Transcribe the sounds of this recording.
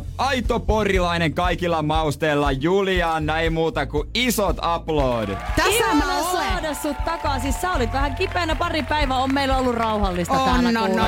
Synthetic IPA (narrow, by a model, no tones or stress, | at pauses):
ɑit̪oporilɑineŋkɑikilːɑmɑust̪eilːɑjuliɑːnnæimuːt̪ɑkuisot̪ɑploːdt̪æsinosodesːut̪t̪ɑkɑsissæolit̪ʋæhæŋkipeːnæpɑripæiʋæommeilːæolːurɑuhɑlːist̪ɑtoæːnnænː